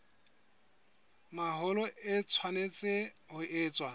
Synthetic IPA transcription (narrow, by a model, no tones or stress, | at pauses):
maɦʊlɔɪt͡sʰwanet͡sʼɪ | hʊʔɪːt͡sʼwa